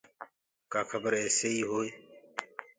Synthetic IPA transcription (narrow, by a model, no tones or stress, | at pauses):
kaːkʰəbəɾeːseːiːɦoːe